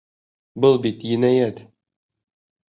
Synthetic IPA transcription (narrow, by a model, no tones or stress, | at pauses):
bɤlˠbit̪jɘ̆næjæt̪